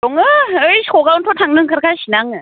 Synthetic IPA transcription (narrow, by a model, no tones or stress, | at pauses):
oŋɯɯjkʰoɡauntʰotʰaŋnɯŋkʰɯɾkʰaɕinaŋɯ